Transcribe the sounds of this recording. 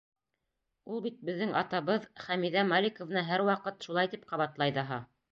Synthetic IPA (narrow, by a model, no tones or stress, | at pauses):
ulˠbit̪̚bɘ̆ðːɘŋɑ̰t̪ɑβɤðχæmiðæmalʲɪkŏvnɑɦæɾwɑqɤt̪ʃulˠɑjt̪ip̚qɑβɑt̪lˠɑjðɑɦɑ